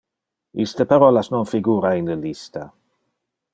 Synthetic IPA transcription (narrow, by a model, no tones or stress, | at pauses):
ist̪əpaɾɔlasnɔnfiɡuːɾainləlist̪a